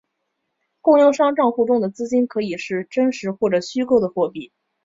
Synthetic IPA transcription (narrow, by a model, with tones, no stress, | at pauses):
kʊ˥˧ŋjɑ˥˧ŋʂɑ˥ŋʈ͡ʂɑ˥˧ŋxu˥˩ʈ͡ʂʊ˥ŋd̪ə˩t͡sɹ̩˥t͡ɕi˥nkʰɤ˧˥i˨˩ʂɻ̩˥˩ʈ͡ʂə˥ŋʂɻ̩˧˥xwɔ˥˩ʈ͡ʂɤ˨˩ɕy˥ko˥ʊd̪ə˩xwɔ˥˧pi˥˩